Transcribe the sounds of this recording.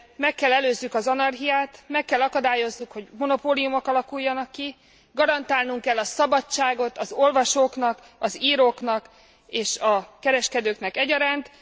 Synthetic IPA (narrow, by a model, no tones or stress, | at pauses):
mɛkːɛlːɛløːzːykɒzɒnɒrɦijaːt̪mɛkːɛlːɒkɒd̪aːjo̞znukho̞ɟmo̞no̞poːlijumo̞kɒlɒkujːɒnɒkːi | ɡɒɾɒnt̪aːlnuŋkɛlːɒsɒbɒt͡ʃːaːɡo̞t̪ɒzo̞lvɒʃoːkn̪ɒk | ɒziːɾoːknɒk | eːʃɒkɛɾɛʃkɛd̪øːknɛkɛɟɒɾaːnt̪